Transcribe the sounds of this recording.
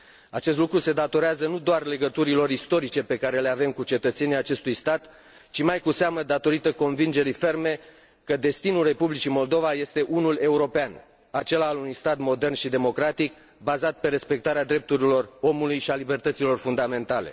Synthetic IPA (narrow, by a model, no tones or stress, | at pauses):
at͡ʃes̬t̪lukɾuse̞d̪at̪o̞ɾeazənud̪oarle̞ɡət̪uɾilo̞ɾist̪o̞ɾit͡ʃe̞pe̞kaɾe̞le̞ave̞mkut͡ʃe̞t̪ət̪se̞nijat͡ʃe̞st̪ujst̪at̪ | t͡ʃimajkuseaməd̪at̪o̞ɾit̪əko̞nvind͡ʒe̞ɾife̞rme̞ | kəd̪e̞st̪inulre̞publit͡ʃimo̞ld̪o̞vaje̞st̪e̞ʔunule̞uɾo̞pean | at͡ʃe̞laːlunujst̪at̪mo̞d̪e̞rnʃid̪e̞mo̞kɾat̪ik | bazat̪̚pe̞ɾe̞spe̞k̚t̪aɾead̪ɾe̞p̚t̪uɾilo̞ro̞mulujʃialibe̞rt̪ət̪silo̞rfund̪ame̞nt̪ale̞̰